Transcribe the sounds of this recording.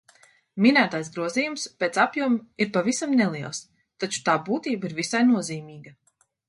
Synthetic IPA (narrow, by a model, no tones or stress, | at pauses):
minæːt̪ajsɡɾuɔziːjumspeːt̪sapjuɔmiɾpavisamnɛlˠiɛlˠs | t̪at͡ʃu̥t̪aːbuːt̪iːbiɾvisajnuɔziːmiːɡɐ